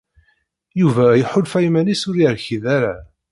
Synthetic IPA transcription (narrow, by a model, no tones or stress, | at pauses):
juvæjħʊlfæjmænisʊɾiɾçiðaɾa